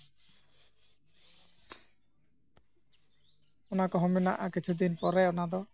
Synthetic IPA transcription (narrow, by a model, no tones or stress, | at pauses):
ɔnakɔɦɔ̃mbina̰ʔakit͡ʃʰud̪inpɔɾɛɔnad̪ɔ